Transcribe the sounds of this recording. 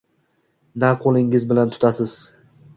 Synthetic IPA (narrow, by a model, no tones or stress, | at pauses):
naqʰolˠɪŋɪzbɪlant̪ʰʊ̥t̪ʰasɪz̥